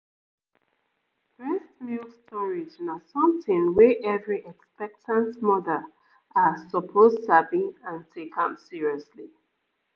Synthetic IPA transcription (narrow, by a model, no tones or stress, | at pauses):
fɛstmilstʰɔɹiznasʌ̃mθɪ̃nwɛʔɛvɹiʔɛkspɛk̚tʰãntmɔdəl | asəpʰoztabĩnãntʰekʰə̃msiɹiɔsli